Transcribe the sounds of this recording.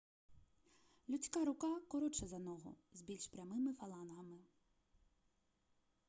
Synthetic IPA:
lʲʊt͡sʲkɑɾʊkɑkɔɾɔt͡ʃɛzɐnɔɦɔ̰zbʲilʲʃpɾʲɐmɪmɪfɐlˠɑnɦɐmɪ

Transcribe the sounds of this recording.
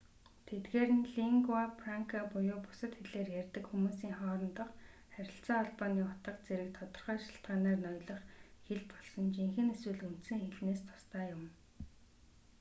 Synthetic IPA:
t̪ʰet̪ɡeːɾɘ̆nɮiŋɡwapraŋkʰapʊjʊːpʊ̥sə̆t̪xeɮeːrjærʲt̪ɘ̆kxumuːsiːŋχɔːɾɞ̆nt̪ə̆qχæɾʲɪ̆ɬt͡saːɔɮpaniːχʊt̪ə̆qt͡seɾɘ̆k̚t̪ʰɔt̪ɞ̆rχœːʃḁɬt̪̚ɢaːnaːrnɔjɮɞ̆χxeɮpɔɮsɞ̆nt͡ɕiŋxɘ̆neswɘ̆ɮun̥t̪sɘ̆ŋxeɮneːst̪ʰʊ̥st̪ʰaːjʊm

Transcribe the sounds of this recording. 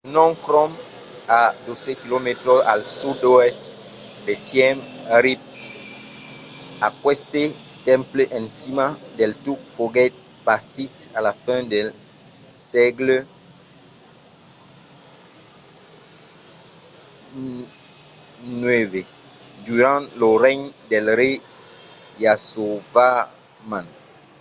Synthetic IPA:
nɔ̃ŋkʁɔ̃m | ad̪osekilomet̪ɾoa̰lsud̪oɛst | d̪ɛsjɛmʁip̚ | akwɛst̪et̪ɛ̃mpləʔɛ̃nsimad̪ɛlt̪ukfoɡɛt̪̚ | paʁt̪it̪alafɛ̃d̪ɛl | sɛɡl | nɛve | d̪yʁɑ̃ləʁɛɲd̪ɛlʁe | jasova | mãn

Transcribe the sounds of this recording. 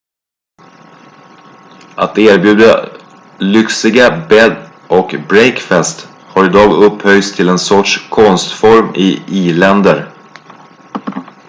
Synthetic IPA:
ʔat̪eːɾbjʉ̟ːd̪a | lʏksɪɡabɛd̪ | ʔɔkbɾɛjkfɛst̪ | haɾɪd̪ɑːɡɵphœjst̪ʰɪlɛnsɔʈʂkʰɔnst̪fɔɾmɪ̰iːlɛnd̪əɾ

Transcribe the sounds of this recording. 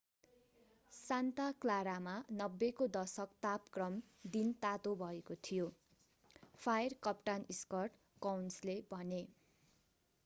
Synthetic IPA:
sant̪aklaɾamanʌbːekod̪ʌsʌkt̪apkrʌm | d̪int̪at̪obʱʌekot̪ʰijo | pʰajrkʌpʈaniskʌrʈ | kʌwnslebʱʌne

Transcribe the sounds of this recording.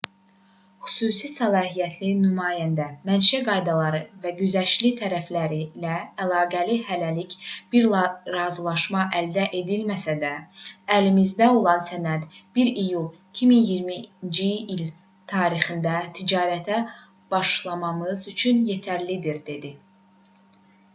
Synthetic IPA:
χy̥suːsisælˠɑːɦijæt̪ʰlinymɑːjænd̪æmænʃæɡɑjd̪ɑlˠɑɾɯvæɟyzæʃlit̪ʰæɾæflæɾilæːlˠɑːɡælihælælicb̥iɾɾɑːzɯlˠɑʃmɑʔæld̪æʔe̞d̪ilmæsæd̪æælimizd̪æo̞lˠɑnsænæd̪b̥iɾijulˠicʰiminjiɾmind͡ʒiːl | t̪ʰɑːɾiχɯnd̪æt̪ʰid͡ʒɑːɾæt̪ʰæ | b̥ɑʃlˠɑmɑmɯzyt͡ʃʰynje̞t̪ʰæɾlid̪iɾd̪e̞d̪i

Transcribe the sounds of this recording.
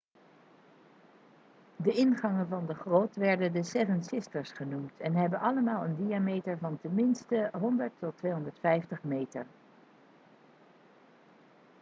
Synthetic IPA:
dəɪnχɑŋənvɑndəχroːtʋɛɹdəndəsɛvənsɪstəɹsχənumtʰɛnɦɛbənʔɑləmaːlˠəndiamejtəɹvɑntənmɪnstəɦɔndəɹtːɔtʋejɦɔndəɹtfɛjftəχmejtə̰ɹ

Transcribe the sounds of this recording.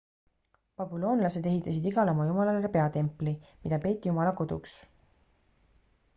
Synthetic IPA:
pɑbulo̞ːnlɑse̞d̪e̞ɦit̪ːˑɑsid̪iɡ̥ɑlɑmɑjumɑlɑlerpe̞ɑt̪e̞mpˑlimid̪ɑpe̞ːt̪ːˑijumɑlɑko̞d̪̥ṵks

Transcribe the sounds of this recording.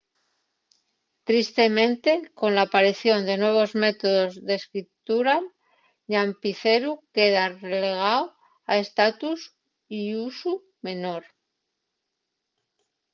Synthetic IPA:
t̪ɾist̪e̞mẽ̞nt̪e̞ko̞nlaːpaɾiθjo̞nd̪e̞nwe̞β̞o̞zme̞t̪o̞ðo̞zðe̞skɾit̪uɾal | ʎampiθe̞ɾuke̞ðarele̞ɣ̞aw | ae̞st̪at̪us | iusu | me̞no̞ɾ

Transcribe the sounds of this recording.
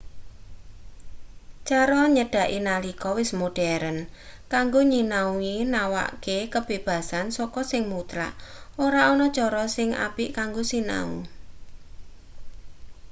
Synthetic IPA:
t͡ʃaɾɔɲəɖ̥a̤ʔinalikɔwɪsmoɖ̥ɛɾənkaŋɡoɲinauinawa̰kekəb̥e̤b̥a̤sansɔkɔsɪŋmut̪ɾa̰ʔoɾaɔnɔt͡ʃɔɾɔsɪŋʔa̰piʔkaŋɡosina̰ṵ

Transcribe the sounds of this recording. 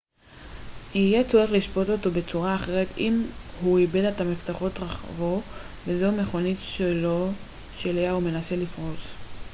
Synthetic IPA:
ijet͡so̞ʁeχliʃpo̞to̞to̞be̞t͡suʁaːχe̞ʁetimhuibe̞datamiftaχo̞t̪ʁaχvo̞ | vezeume̞χo̞nitʃelo̞ | ʃeleaume̞nase̞lifʁo̞t͡s

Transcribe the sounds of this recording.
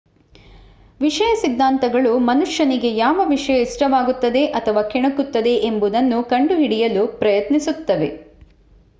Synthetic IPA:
ʋiʂɐjɐsid̪ːaːnt̪ɐɡɐɭumɐnuʂjɐniɡe̞jaːʋɐʋiʂɐjɐisʈɐʋaːɡut̪ːɐd̪e̞ʔɐt̪ʰɐʋaːkʰiɳɐkut̪ːɐd̪e̞ʔembud̪ɐnːukɐɳɖuɦiɽijɐlupɾɐjɐt̪nisut̪ːɐʋe̞

